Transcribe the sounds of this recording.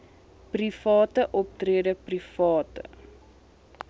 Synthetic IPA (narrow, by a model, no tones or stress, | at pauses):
prifɑːtəʔɔp̚triədəprifɑːtə̰